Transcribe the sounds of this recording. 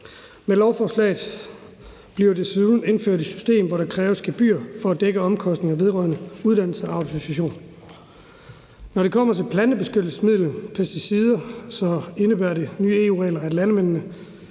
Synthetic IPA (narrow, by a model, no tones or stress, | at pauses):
melɒʊfɒːslɛ̰ːɪð̩ˠ | b̥liɐde̝sin̩e̝nfø̰ɐ̰d̥isy̥sd̥e̝̰ːmʋɒɾɑ̈kʰʁɛːʊsɡ̥ʰæb̥y̰ːɐfɒ̽æd̥eɡ̥əɒ̽mkʰɒ̽sd̥ne̝ŋɐʋe̝ðˠʁɶ̰ɐnəuðˠd̥æn̰l̩səɑ̈ʊt͡sʰo̝sæɕo̝̰ːn | nɒɾe̝kʰɒ̽m̰ɐt͡sʰe̝lpʰlæn̥əb̥e̝sɡ̥ød̥l̩səsmið̞̰ˠlənpʰesd̥isiːð̞ˠɐsɒ̽e̝nəb̥æɐde̝nyːe̝ːuːʁɛ̰ɪlɐædlænəmen̰nə